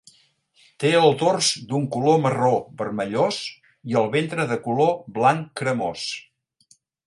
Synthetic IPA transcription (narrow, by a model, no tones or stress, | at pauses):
t̪eəlˠd̪orzd̪uŋkuloməroβərməʎos | iəlˠβent̪ɾəðəkuloβlaŋkɾəmos